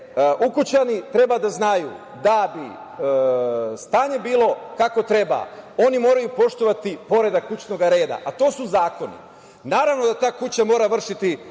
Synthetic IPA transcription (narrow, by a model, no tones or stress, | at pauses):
ʔukut͡ɕanit̪ɾe̞bad̪aznajṵ | d̪abi | st̪aːɲe̞biːlˠo̞kako̞t̪ɾe̞ba̰o̞nimo̞ːɾajupo̞ʃt̪oʋat̪ipo̞ɾe̞d̪akːut͡ɕno̞ɡaɾe̞ːd̪a̰ʔat̪o̞ːsuzaːko̞nḭ | naːɾaʋno̞d̪at̪aːkut͡ɕamo̞ːɾaʋr̩ʃit̪i